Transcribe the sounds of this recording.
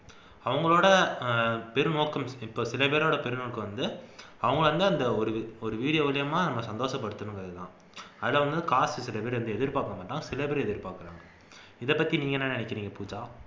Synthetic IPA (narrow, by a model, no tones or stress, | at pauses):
ɐʋɐŋɡɐɭoːɽɐ | pɛɾɯnoːkːɐmɪpːoːsɪlɐpeːɾoːɽɐpɛɾɯnoːɭkːɯʋɐnd̪ɯ | ɐʋɐŋɡɐɭʋɐnd̪ɯɐnd̪ɐɔɾɯɔɾɯʋiːɽɪjɐʋɐlɪjɐmaːnɐmːɐsɐnd̪oːʂɐpːɐɽɯt̪ːɯnɯŋɐðɯðã̰ː | ɐðɯlːɐʋɐnd̪ɯɯkaːsɯsɪlɐpeːɾʋɐnd̪ɯɛðɪɾɯpaːɾkːɐmaːʈːaːŋɡɐsɪlɐpeːɾɛðɪɾɯpaːkɯɾa̰ːŋɡɐ | ɪðɛpːɐt̪ːiniːŋɡɐnːaːnɪnɪkːɐniːŋɡɐpuːt͡ʃaː